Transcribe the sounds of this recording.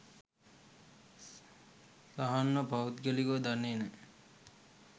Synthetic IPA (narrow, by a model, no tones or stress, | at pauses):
saɦanːopaut̪ɡelikod̪anene